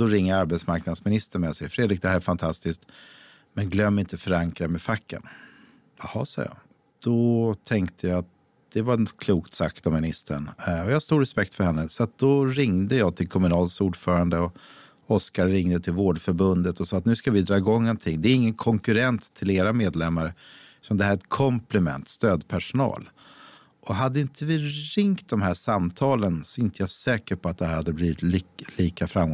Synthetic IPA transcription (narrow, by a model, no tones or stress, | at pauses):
d̪̥ɔɾɪŋːəɾaɾbɛt̪smaɾknad̪smɪnɪst̪əɳmɛnjasɛjːəɾfɾeːd̪ɾɪk̚d̪ɛhæːɾɛɾfant̪ʰast̪ɪsk̚t̪ | mɛnɡlœmːɪnt̪əfœɾaŋkɾamɛfakːə̰n | jɑhɑ̰ːsɑ̰ːjɑ̰ | d̪̥ɔt̪ʰɛŋkt̪ʰəjaːat̪̚ | d̪̥ɛvaɛkʰluːkt̪sakt̪ɔmːɪnɪst̪əɳɔjɑhaɾst̪uːɾɛspɛk̚t̪fœɾhɛnːəsɔat̪̚d̪̥ɔɾɪŋd̪əjɑːt̪ʰɪlkʰɔmɵnɑːlsuːɖfœːɾand̪əɔ | ɔskaɾːɪŋd̪ət̪ʰɪlvoːɖfœɾbɵnd̪ət̪ɔsɑːat̪nʉ̟ːskavɪd̪ɾɑːɪɡɔŋːɔnt̪ʰɪŋːd̪ɛæːɾɪŋːənkʰɔŋkɵɾɛnt̪ʰːɪleːɾameːd̪lɛmːaɾə | sɔmd̪ɛhæːɾɛt̪̚kʰɔmplɪmɛ̰nt̪st̪øːd̪pʰæʂʊnɑ̰ːl | ʔɔɦad̪ːəɪnt̪ʰəvɪɾɪŋkt̪̚d̪ɔmɦæːʂamt̪ʰɑːlənsɔɪnt̪ʰəjasɛːkəɾpʰɔat̪̚d̪ɛhæɾhad̪ːəbliːvɪt̪lliːkafɾamɡɔ